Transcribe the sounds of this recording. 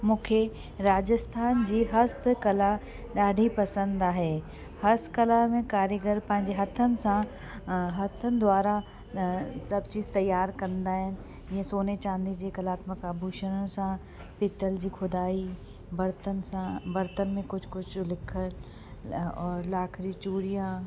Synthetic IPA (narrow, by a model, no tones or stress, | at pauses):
mʊ̃kʰe | ɾaːd͡ʒəst̪ʰaːnd͡ʒiːɦɐst̪kɐla | ɗaːɖʱipɐsə̃nd̪aːɦɛː | hɐst̪kɐlamẽkaːɾjəɡəɾpɐ̃ɦɪ̃ɲd͡ʒeɦɐt̪ʰənsã | ɦɐt̪ʰənd̪waːɾa | sɐb̚t͡ʃiːzt̪ɐjːaːɾkɐɾnd̪aɦɛn | jesoːnet͡ʃãːnd̪id͡ʒiekɐlaːt̪məkabʱuːʃənəsãː | pɪt̪əld͡ʒiːkʰʊd̪aːi | bɐɾt̪ənsãbɐɾt̪ənmẽkʊt͡ʃʰkʊt͡ʃʰlɪkʰəl | ɔːɾlaːkʰɾit͡ʃuːɾijã